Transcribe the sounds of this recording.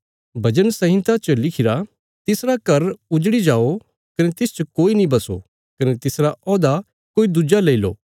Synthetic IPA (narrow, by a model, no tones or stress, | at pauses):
bʱɐd͡ʒənsɐɦɪ̃nt̪at͡ʃɐlɪkʰɪɾa | t̪ɪsɾakɐɾʊd͡ʒɽid͡ʒaːo | kɐnet̪ɪst͡ʃɐkoːinĩbɐso̰ | kɐnet̪ɪsɾaɔːd̪a | koːid̪ud͡ʒaleilo̰ː